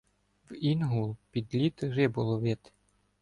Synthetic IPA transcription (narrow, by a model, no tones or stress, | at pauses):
winɦulˠpʲid̪lʲit̪rɪbʊlˠɔʋɪt̪